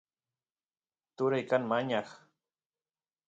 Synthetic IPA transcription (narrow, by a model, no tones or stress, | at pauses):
t̪ʊɾajkanmaɲɑχ